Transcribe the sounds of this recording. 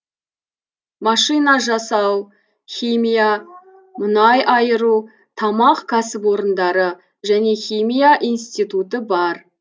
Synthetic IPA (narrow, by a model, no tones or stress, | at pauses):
mɑʃɨjnɑʒɑsɑw | χʲimʲija | mʊnɑjʔɑjəɾu | t̪ʰɑmɑqkʰasɪpwo̞ɾənd̪ɑɾə | ʒæne̞xʲimʲijaʔijnst̪it̪ut̪əbɑɾ